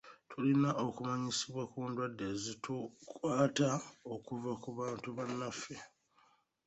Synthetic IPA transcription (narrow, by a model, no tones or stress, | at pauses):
tʰulinaʔo̞kumaɲisiβwakuːndwadːezitukwaːtao̞kuvakuβaːntuβanːafːe̞